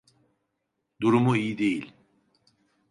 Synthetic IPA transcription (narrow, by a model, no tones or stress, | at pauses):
d̪uɾumuijid̪e̞jilʲ